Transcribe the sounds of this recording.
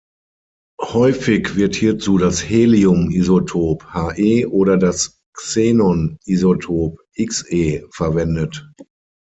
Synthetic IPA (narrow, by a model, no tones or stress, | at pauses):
hɔʏfɪçv̥ɪɐthiːɐt͡suːdasheːliʊmizotʰoːphaːʔeːʔoːɾɐdas | kseːnɔnʔizotʰoːpʔɪksʔeːfɛɐvɛndət